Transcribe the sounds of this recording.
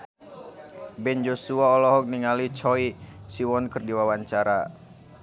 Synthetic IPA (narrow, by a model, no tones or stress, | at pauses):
bɛnd͡ʒosuaɔlɔɦɔk̚niŋalit͡ʃɔisiwɔnkərdiwawaɲt͡ʃaɾa